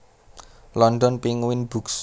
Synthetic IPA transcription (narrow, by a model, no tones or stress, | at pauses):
lɔnɖɔnpiŋwɪnb̥ṳks